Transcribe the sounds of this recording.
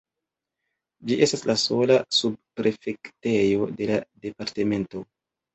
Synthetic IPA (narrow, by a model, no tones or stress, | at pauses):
d͡ʒiʔe̞staslaso̞lasub̚pɾe̞fe̞kte̞jo̞de̞lade̞paɾte̞me̞nto̞